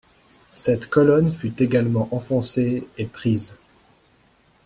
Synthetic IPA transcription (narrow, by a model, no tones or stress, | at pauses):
sɛt̪kɔlɔnfyt̪eɡalmɑ̃ʔɑ̃fɔ̃seepχiːz